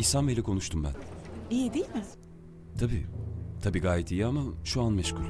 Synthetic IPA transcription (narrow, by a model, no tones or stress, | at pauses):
isamelʲɛkʰo̞nuʃt̪umbæ̰niːd̪ejilʲmɪ | t̪ʰabiːt̪ʰabiːɡaːjɛt̪ʰijamaʃuanmɛʃkʰuɾʲ